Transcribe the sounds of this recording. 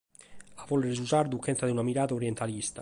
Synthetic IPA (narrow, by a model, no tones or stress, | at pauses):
avɔleɾed͡ʒusaɾd̪ukːɛnt̪sad̪iunamiɾaːt̪aoɾjɛnt̪alist̪a